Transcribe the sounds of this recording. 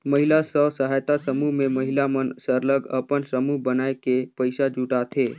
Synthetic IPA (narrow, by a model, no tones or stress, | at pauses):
məɦɪlasəsəɦaːjt̪asəmuɦmẽməɦɪlamənsəɾləɡəpənsəmuɦbənaːekepəɪsad͡ʒuʈat̪ʰeː